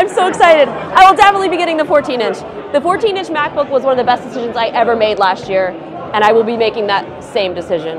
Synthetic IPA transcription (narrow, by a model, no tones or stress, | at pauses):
ãɪ̃msoʊɨksaɪɾɨɾaɪwəlˠdæfnətˡlibiɡɛɾɪ̃ŋðəfɔɹtʰĩnɪ̃nt͡ʃ | ðɨfɔɹtʰĩnɪ̃nt͡ʃmæk̚b̥ʊkwʌzwʌ̃nʌvðɨəbɛsd̥ɨsɪʒɨ̃n̩zaɪʔɛvə˞meɪdˡlæst̚jɪɹ | ɨ̃ɾ̃aɪwəlˠbimeɪkɪ̃ŋðət̚sẽɪ̃mdɨsɪʒɨ̃n